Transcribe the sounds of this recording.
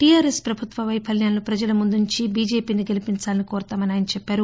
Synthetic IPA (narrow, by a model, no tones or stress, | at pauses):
ʈijaːɾespɾɐbʱut̪ʋɐʋɐjpʰɐljaːnlupɾɐd͡ʒɐlɐmund̪uɲt͡ʃibiːd͡ʒe̞ːpiːniɡelipiɲt͡ʃaːlɐnikɔːɾt̪aːmɐniaːjnɐt͡ʃɛpːaːɾu